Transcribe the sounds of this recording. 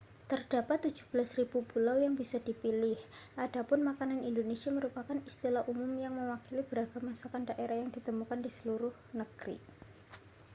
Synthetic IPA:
t̪ərd̥apat̪ːu̥d͡ʒ̥ṳ̥b̥əlasrib̥ubulawjaŋbisad̥ipilɪhʔad̥apʊnmakananindonesiaməɾupakanist̪ilahʔumʊmjaŋməwakilib̥əɾaɡamasakandaʔeɾahjaŋd̥it̪əmukandisə̥luɾʊhnəɡ̥ɾḭ

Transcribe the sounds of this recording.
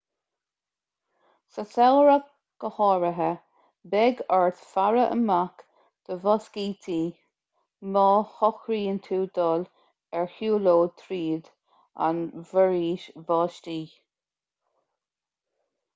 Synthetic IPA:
səsɛlɹə | ɡ̥əhɑːɹəɦə | bɛɡaɹt̪faɹəʔə̰mak | d̪̥əvɔskiːt̪ʰiː | mɑːhɔxɾiːənt̪ʰuːd̪ɔːl | ɛɹhjuːloːt̪ʰɾiːd̪ | a̰nvəɹiːʃvɑːʃtiː

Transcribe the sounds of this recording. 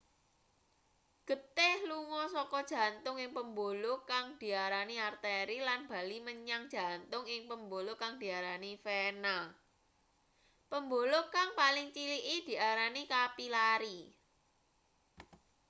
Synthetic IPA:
ɡ̥ə̤t̪ɪhluŋɔsɔkɔd̥ʒ̥ä̤nt̪ʊŋɪŋpəmbolokaŋd̪̥i̤aɾaniart̪eɾilanb̥a̤liməɲaŋd̥ʒ̥ä̤nt̪ʊŋɪŋpəmbolokaŋd̪̥i̤aɾanifena | pəmbolokaŋpalɪŋt͡ʃiliʔid̪̥i̤aɾanikapilaɾi

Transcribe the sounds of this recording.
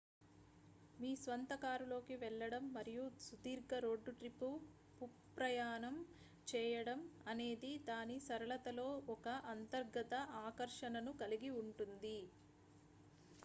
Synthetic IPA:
miːsʋɐnt̪ɐkaːɾulo̞ːkiʋɛɭːɐɽɐmːɐɾijusud̪iːɾɡɐɾo̞ːɖːuʈɾipːu | pupɾɐjaːnɐm | t͡ʃɛːjɐɽɐmɐne̞ːd̪id̪aːnisɐɾɐɭɐt̪ɐlo̞ːɔkɐʔɐnt̪ɐɾɡɐt̪ɐʔaːkɐɾʂɐnɐnukɐliɡiuɳʈund̪i

